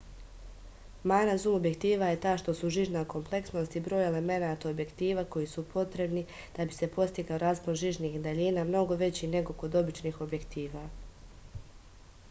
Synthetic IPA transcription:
maːnazumo̞bje̞kt̪iːʋaje̞t̪aːʃt̪o̞suʒiʒnako̞mplˠe̞ksno̞st̪ibɾo̞ːje̞le̞me̞naːt̪aobje̞kt̪iːʋako̞jisupʰo̞t̪ɾe̞bni | d̪̥abise̞po̞st̪iɡaoɾaːzponʒiʒniːxd̪aʎiːnaːmno̞ɡo̞ʋe̞t͡ɕine̞ɡo̞ko̞d̪o̞bit͡ʃniːxo̞bje̞kt̪iːʋaː

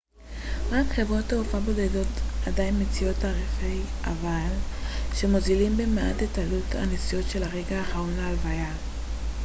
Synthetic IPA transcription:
ʁakχe̞vʁo̞taofabo̞dedo̞tadainmet͡sijo̞taʁefejʔa̰valʃe̞mozilimbemea̰tetaluta̰nesijo̞tʃe̞laʁe̞ɡaaχao̞naːlvaja

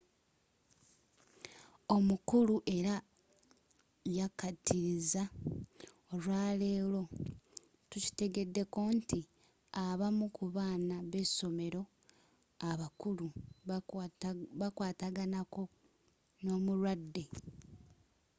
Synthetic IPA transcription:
o̞mukuluʔe̞ɾa | jakatiɾiza | olwaːle̞ːlo̞ | tuci̥te̞ɡe̞dːe̞ko̞nti | aβamukuβaːnaβe̞so̞me̞ɾo̞ | aβakulu | βakwaːtaɡanako̞ | no̞ːmuɾwadːe̞

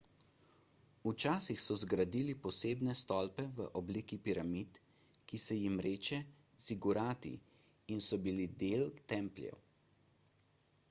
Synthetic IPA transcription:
ut͡ʃaːsixsɔzɡɾad̪ilipɔseːbnɛst̪ɔlpɛʋə̰ʔɔblikipiɾamit̪ | kisɛjimɾeːt͡ʃɛ | siɡuɾaːt̪ḭ | insɔbilid̪elt̪ɛmplʲjɛ̰w

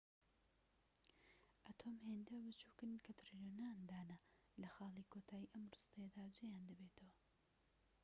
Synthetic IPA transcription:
ʔat̪ʰomheːnd̪ɐwbɨt͡ʃuːkɨnkʰɐt̪ɾiloːnand̪aːnɐ | lɐxɑːlˠiːkʰot̪ʰaːjiʔɐmrust̪ɐjɐd̪aːd͡ʒejaːnd̪ɐbet̪ʰɐwɐ

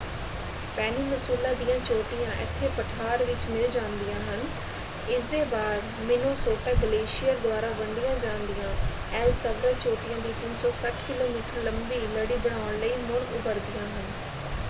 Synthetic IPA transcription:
pɛːniːməsuːlaːd̪ijãːt͡ʃoːʈɪjãːʔɪ̰t̪ʰːeːpəʈʰaːɾʋɪt͡ʃmɪld͡ʒãːnd̪ijãːɦən | ɪsd̪eːbaːɾ | mɪnoːsoːʈaːɡəleːʃɪjəɾd̪ʊaːɾaːbəɳɖɪjãːd͡ʒãːnd̪ijãː | ɛːlsəʋɾaːt͡ʃoːʈɪjãːd̪iːt̪ɪnsɔːsəʈʰkɪloːmiːʈəɾləmbiːləɽiːbəɽ̃aːəɳləiːmʊɳʊbəɾd̪ijãːɦən

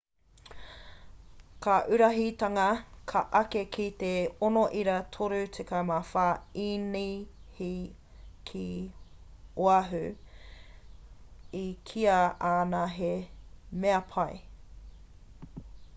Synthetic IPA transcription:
kʰaʔʉɾɐɦit̪ɐŋɐkʰɐʔɐkekʰit̪eonoʔiɾɐt̪ʰoɾʉt͡sʰekɐmafaːinihi | kʰi | oɐɦʉ | ikʰiɐaːnaɦemeɐpʰɐj

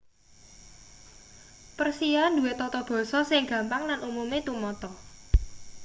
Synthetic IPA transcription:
pərsijand̪uwet̪ɔt̪ɔb̥ɔ̤sɔsɪŋɡä̤mpaŋlanʔumumet̪umɔt̪ɔ

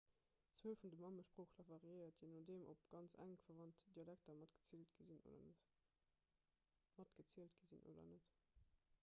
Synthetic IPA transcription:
t͡swəːlfundəmɑməʃpʁoːxlɑvɑʁiəɪɐt̚ʰinoːdeːmʔo̰pɡ̥ɑnt͡sæ̰ŋfɐvɑntd̥iɑlæk̚tɐmɑtɡ̥ə̥t͡siltɡ̥əzino̰dɐ̰ | mɑtɡ̥ət͡siəltɡ̥əzinʔo̰ːdɐ̰nət

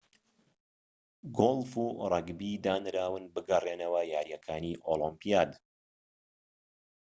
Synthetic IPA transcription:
ɡolˠfuːrˤɐɡbid̪aːnɾaːwɨnbɨɡɐreːnɐwɐjaːɾjɐkʰaːniʔolˠɔmpijaːd̪

